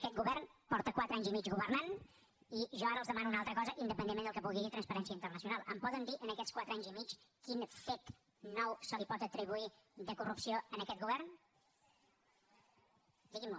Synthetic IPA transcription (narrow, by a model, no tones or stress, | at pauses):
kɛt̪̚ɡuβɛrnpɔɾt̪əkwat̪ɾəaɲzimit͡ʃɣuβərnan | iʒɔaɾəlˠzðəmanuːnalˠt̪ɾəkɔzəʔind̪əpənenmend̪əlkəβulɣiɣit̪ɾənspəɾɛnsiəint̪ərnəsiunalˠəmpɔðənd̪iʔənəkɛt͡sskwat̪ɾəaɲzimit͡ʃkinfet̪ː | ɔwsəlipɔt̪ət̪ɾiβuiðəkurupsioənəkɛt̪̚ɡuβɛrn | d̪iɣimu